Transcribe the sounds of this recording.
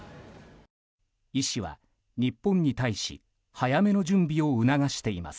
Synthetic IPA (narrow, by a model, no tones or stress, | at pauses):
iɕiβa̰ | ɲ̟ipːõ̞ɲ̟ːit̪aiɕḭ | hajame̞no̞d͡ʑɨ̃mbʲio̞ɯ̟naɡaɕi̥t̪e̞ima̰sɨ̥